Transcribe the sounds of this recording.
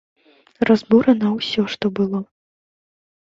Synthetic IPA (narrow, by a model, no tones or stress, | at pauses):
rɐzbuɾɐnɐwsʲɔʂt̪ɔbɨlˠɔ